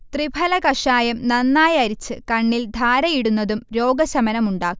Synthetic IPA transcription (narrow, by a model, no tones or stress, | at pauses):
t̪ribʱɐlɐkɐʂaːjɐmnɐnːaːjɐɾit͡ɕːɨkɐɳːild̪ʱaːɾɐjiɽunːɐðumɾo̞ːɡɐɕɐmɐnɐmuɳɖaːkː